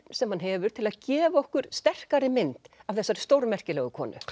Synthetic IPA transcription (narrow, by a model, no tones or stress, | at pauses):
sɛmhanɦɛːvʏɾt̪ʰɪlaðcɛːvaɔhkʏɾ̥st̪ɛr̥kaɾɪmɪnt̪avθɛsːaɾst̪owɾmɛr̥cɪlɛɣʏkʰvɔ̰ːnʏ̰